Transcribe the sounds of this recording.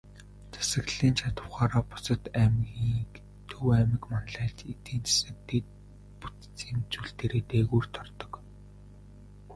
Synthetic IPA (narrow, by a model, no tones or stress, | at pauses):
t͡sʰḁsə̆ɣɮiːnt͡ɕʰat̪ə̆wχaːɾaːpʊ̥sə̆t̪æmɣiːk | t̪ʰɵwæmɪ̆kmanɮæːɮt͡ɕet̪iːnt͡sḁsə̆k̚t̪ʰet̪̚ | pu̥t͡st͡siːmt͡suɮt̪eːɾeːt̪eːɣuːrt̪ʰɔrt̪ɞ̥̆k